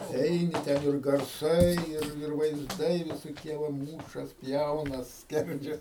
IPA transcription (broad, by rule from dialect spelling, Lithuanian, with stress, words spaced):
ˈɛɪnʲɪ ˈtʲɛn ɪr ɡɐrˈsɐɪ ˈɪr ɪr ʋɐɪzˈdɐɪ ʋʲɪsoːˈkʲiɛ ʋɐ ˈmuːʃɐs ˈpʲjɛʊnɐs ˈsʲkʲɛrʲd͡ʒʲɛs